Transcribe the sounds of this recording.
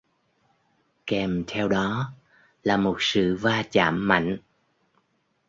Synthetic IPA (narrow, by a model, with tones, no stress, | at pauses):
kɛ˨˩mt̪ʰɛ˧wɗɔ˨˦ | laː˨˩mo˨˩t̚sɨ̰˧˨vaː˧t͡ɕa̰ː˧˩mːa̰˧˨jŋ̟